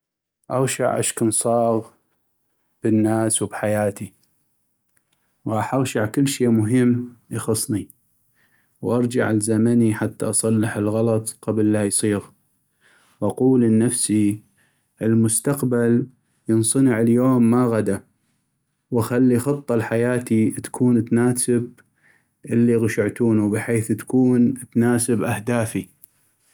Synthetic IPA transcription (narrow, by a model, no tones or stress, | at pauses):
ʔɑɣʃa̰ʕʔa̰ʃkʊnsˤɑːɣ | b̥ənːaːswbħajaːt̪i | ɣɑːħʔɑɣʃaʕkɪlːʃeːmʊɦɪmːjɑxɑsˤni | wʔɑɾˤd͡ʒaʕalzamaniħat̪ːaʔɑsˤɑlːɪħəlɣɑlɑt̪ˤqablːajsˤiːɣ | wʔɑquːlənːafsi | ʔɪlmʊst̪aqbal | jɨnsˤɑnəʕəljoːmːaɣad̪a | waxalːixɑt̪ˤːɑlħajaːt̪it̪ḁkʰuːnt̪naːsɪb̚ | ʔɪlːiɣʊʃɪʕt̪uːnubɪħeːθt̪kuːnt̪naːsɪbʔahd̪aːfi